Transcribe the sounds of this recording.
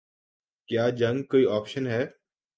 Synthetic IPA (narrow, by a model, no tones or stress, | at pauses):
kjaːd͡ʒə̃ŋɡkoːiːɔːpʃənɦɛː